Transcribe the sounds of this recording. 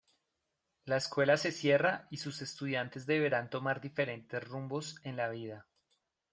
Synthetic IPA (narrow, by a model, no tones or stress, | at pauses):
laeskwe̞lase̞sje̞raisuse̞st̪uðjant̪e̞zd̪e̞βe̞ɾant̪o̞maɾd̪ife̞ɾe̞nt̪e̞zrumbo̞se̞nlaβ̞ið̞a